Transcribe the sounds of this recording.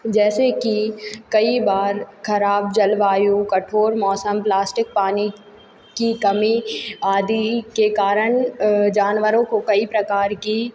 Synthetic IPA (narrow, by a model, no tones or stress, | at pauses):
d͡ʒɛːsekikɐibaːɾkʰɐɾaːbd͡ʒɐlʋaːjũkɐʈʰoːɾmɔːsəmplaːsʈɪk̚paːni | kikɐmiaːd̪ikekaːɾəɳ̃d͡ʒaːnʋəɾõkokɐipɾɐkaːɾki